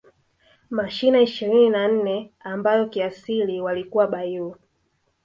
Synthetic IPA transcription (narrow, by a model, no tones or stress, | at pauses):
maʃinaiʃiɾininan̩nɛambajɔkiasiliwalikuwaɓaiwa